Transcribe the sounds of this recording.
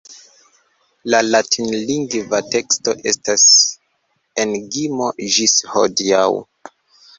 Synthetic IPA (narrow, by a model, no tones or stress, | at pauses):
lalatinliŋɡvate̞ksto̞ʔe̞̰stas | e̞nɡimo̞d͡ʒisho̰diaw